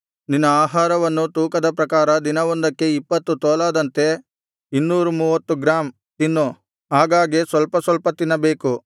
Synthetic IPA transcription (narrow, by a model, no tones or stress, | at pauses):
ninːɐaːɦaːɾɐʋɐnːut̪uːkɐd̪ɐpɾɐkaːɾɐd̪inɐʋɔnd̪ɐkːe̞ipːɐt̪ːut̪ɔːlaːd̪ɐnt̪e̞ | inːuːɾumuːʋɐt̪ːuɡɾaːm | t̪inːu | ɦaːɡaːɡesʋɐlpɐsʋɐlpɐt̪inːɐbeːku